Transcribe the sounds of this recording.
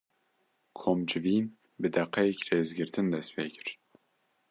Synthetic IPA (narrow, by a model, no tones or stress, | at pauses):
kʰomd͡ʒɪviːn | bɨd̪ɛqʰːɛjɛcreːzɡɨɾt̪ʰɨnd̪ɛst̪pʰeːcʰɨ̥ɾ̥